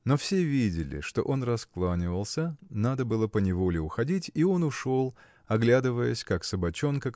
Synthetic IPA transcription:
no̞fsʲe̞vʲidʲɪlʲɪ̰ʂt̪o̞̰ʔo̞nrɐsklˠanʲɪvəlˠsʲənad̪əbɨlˠəpənʲɪvo̞lʲɪʊxɐdʲitʲio̞nʊʂo̞lˠ | ɐɡlʲad̪ɨvəjəsʲkaksəbɐt͡ɕo̞nkə

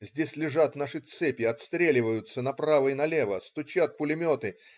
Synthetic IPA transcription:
zʲdʲesʲlʲɪʐat̪naʂɨt̪sɛpʲɪɐt̪st̪ɾʲelʲɪvəjʊt̪sənɐpɾavəɪnɐlʲe̞vəst̪ʊt͡ɕat̪̚pʊlʲɪmʲo̞t̪ɨ

